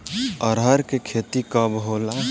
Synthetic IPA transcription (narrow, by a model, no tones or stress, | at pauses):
əɾɦəɾkekʰeːt̪ikəbɦoːla